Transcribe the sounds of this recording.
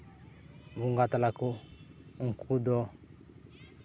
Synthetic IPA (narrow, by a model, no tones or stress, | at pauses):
βuŋɡat̪alakɔŋ̩kʰud̪ɔ